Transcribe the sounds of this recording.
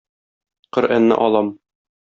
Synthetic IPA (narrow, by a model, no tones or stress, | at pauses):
qɤɾænːɘ̰ʔɒlˠɑm